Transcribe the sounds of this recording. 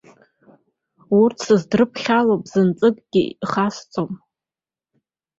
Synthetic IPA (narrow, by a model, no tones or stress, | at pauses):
urtʰsɨzdrɨpʰχʲalopʼz̥ɨnt͡sʼɨkʼɡʲḭiχast͡sʼom